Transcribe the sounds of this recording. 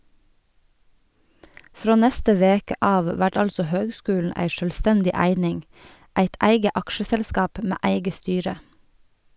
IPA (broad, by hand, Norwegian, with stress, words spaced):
ˈfɾoː ˈnɛstə ˈʋeːkə ˈɑːʋ ˈʋæʈ ˈɑlsɔ ˈhøːɡˌskʉːln̩ ˈæɪ ʃœlˈstɛndɪ ˈæɪnɪŋ ˈæɪt ˈæɪɡə ˈɑkʃəsɛlˌskɑːp ˈmeː ˈæɪɡə ˈstyːɹə